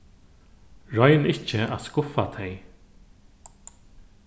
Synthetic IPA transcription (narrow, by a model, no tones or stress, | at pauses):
ɹɔjnɪht͡ʃəa̰ðskʊfat̪ʰɛj